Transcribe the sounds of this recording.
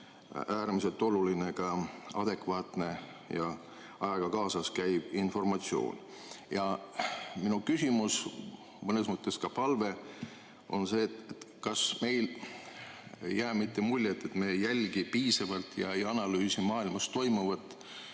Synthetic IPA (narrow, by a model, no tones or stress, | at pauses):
æːɾmise̞lt̪ːˑo̞luline̞kɑɑ̰d̪̥e̞kvɑːt̪ne̞ | jɑ | ɑjɑɡ̥ɑkɑːsɑskæjb̥info̞rmɑt̪sio̞̰ːn | jɑ | minukysimus | mɤnesmɤt̪ːˑe̞skɑpɑlve̞ | o̞̰nse̞ːt̪et̪ | kɑsme̞jl | ejːæːmit̪ːe̞mulʲjet̪ːˑe̞t̪me̞ːjælʲɡipiːsɑvɑlt̪ˑjɑ̰ejɑnɑlyːsimɑːilmɑst̪ːo̞jmuvɑt̪ːˑ